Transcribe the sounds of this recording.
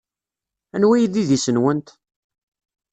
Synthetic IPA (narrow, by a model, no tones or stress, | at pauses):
ænwæjðiðisənwənt̪